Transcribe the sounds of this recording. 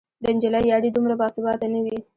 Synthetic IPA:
d̪ənd͡ʒɪlajjɑɽid̪umɽabɑsɪbɑt̪anawi

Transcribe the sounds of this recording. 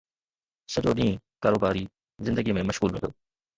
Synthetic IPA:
sɐʄoɗĩːkaːɾoːbaːɾi | zɪ̃nd̪əɡimẽmɐʃɣuːlɦʊ̰̃nd̪oː

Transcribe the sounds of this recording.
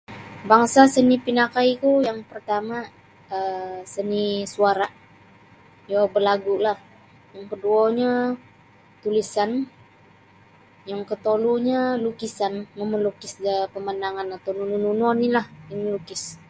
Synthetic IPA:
baŋsasənipinakaikujaŋpərt̪ama | əsənisuaɾaʔ | jobəlaɡulah | jaŋpəduoɲa | t̪ulisan | jaŋkət̪oluɲalukisanməməlukɪsdəpəmandaŋanat̪awnunununɔnilahiməlukɪs

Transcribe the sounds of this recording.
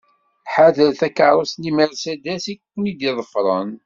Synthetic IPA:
ħaðəɾθækəɾˤosniməɾsæd̪æsikkʷːənid̪iðˤəfɾˤə̰n

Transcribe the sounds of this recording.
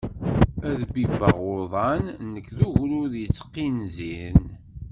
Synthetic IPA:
æðbibəʁoðˤɑnnəkːðuʝɾʊðjət͡sːə̥qːinzin

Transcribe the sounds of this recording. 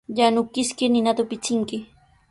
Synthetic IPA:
ʎanʊkɪskɪnɪnat̪ʊpɪt͡sɪŋkɪ

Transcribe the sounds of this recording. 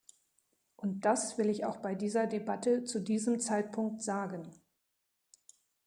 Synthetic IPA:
ʔʊnt̚d̥asv̥ɪlɪçaʊxb̥aɪdiːzɐdebatət͡sudiːzəmt͡saɪtpʰʊŋk̚tz̥aːɡən

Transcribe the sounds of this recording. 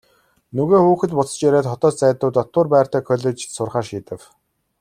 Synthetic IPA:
nɵɣeːxuːxɘ̆t̪pʊt͡sə̥̆t͡ɕjæɾeːt̪χɔt̪ɔːt͡ɕt͡sæːt̪ʊːt̪ɔt̪ʊːrpæːr̥t̪æːkʰœɮʲeːt͡ɕsʊrχaːʃiːt̪ɘ̆w

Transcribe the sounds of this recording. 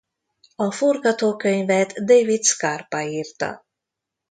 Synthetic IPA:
ɒforɡɒt̪oːkø̞ɲvɛt̪d̪ejvit̪skarpaiːrt̪ɒ̰

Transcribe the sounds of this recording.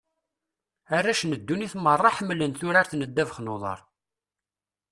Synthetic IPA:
arːaʃnəd̪ːuniθmərˤːɑħəmːlənθʊɾaɾθnəd̪ːævəχnoðˤɑ̰ɾˤ

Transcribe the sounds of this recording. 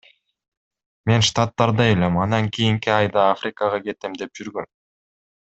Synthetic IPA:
me̞nʃt̪at̪ːɑɾd̪ɑe̞le̞mɑnɑŋkʰijiŋkiɑjd̪ɑafɾʲɪkɑʁɑɡe̞t̪emd̪e̞p̚d͡ʒyɾɡø̞n

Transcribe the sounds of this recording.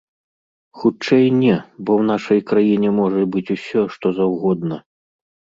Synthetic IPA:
xut͡ʂɛjnʲɛbɔwn̪aʂɐjkɾajinʲɛmɔʐɐbɨt͡sʲusʲɔʂt̪ɔzɐwɣɔd̪nɐ

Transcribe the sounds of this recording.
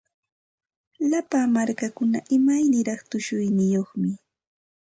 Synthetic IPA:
lapamaɾkakʊna̰ʔɪmajnɪɾɑχt̪ʊʃʊjnɪjoχmɪ

